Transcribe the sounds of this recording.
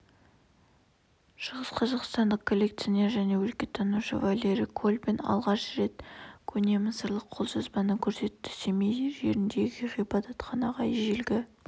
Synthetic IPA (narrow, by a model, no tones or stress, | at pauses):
ʃəʁəsqʰɑzɑqst̪ɑnd̪əqkʰo̞lʲːe̞k̚t̪sione̞ɾʒæne̞wɵlkʲe̞t̪ʰɑnuʃə̰valʲe̞ɾikʰolʲbenɑ̰lˠʁɑʃɾe̞t̪kʲʰɵne̞məsəɾlˠəqʰːo̞lˠʒɑzbɑnəkʲʰɵɾse̞t̪ːɪ̥semejeɾʒe̞ɾɪnd̪e̞ɡʲɪʁijbɑt̪ɑt̪qɑnɑʁɑjʒelɡʲɪ